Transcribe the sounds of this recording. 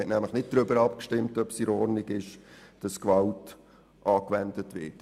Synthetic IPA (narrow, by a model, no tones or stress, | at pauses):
ɛtnæmləχnɪt̚d̥ɾʏbəɾɑpkʃtɪmtœpsiɾɔɾniɡɪʃd̥ɑskʋɑlt | ʔɑːkʋɛndətʋɪːt